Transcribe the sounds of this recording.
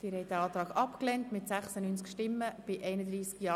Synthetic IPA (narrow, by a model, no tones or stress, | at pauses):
t̪ɪːɾhɛɪtd̪æɑːt̪ɾɑːɡɑpklɛntmɪt̪sæχsənyːnt͡skʃtɪmːəb̥ɪʔɛɪnəd̪ɾiːskjɑː